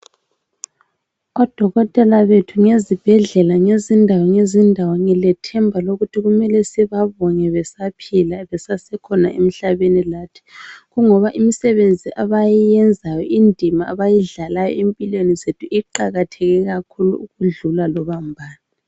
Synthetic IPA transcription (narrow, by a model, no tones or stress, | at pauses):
ɔd̥ʱɔɣɔtʼɛlaβetʰuŋezib̥ʱɛɮɛlaŋezindʱawɔŋezindʱawɔŋɛlɛtʰɛmbʱaloɣutʰiɣumɛlɛsiβaβɔɲɛβɛsapʰilaβɛsasɛkʰɔnaʔemiɬaβenilatʰi̥ɣuŋɔβaʔimisɛβend͡zʱiʔaβajijɛnd͡zʱajɔʔindʱimaːβajiɮalajɔ̰empʼilwenizetʰuʔiǃaɣatʰɛɣɛɣakʰulṵuɣuɮulalɔβambʱaːna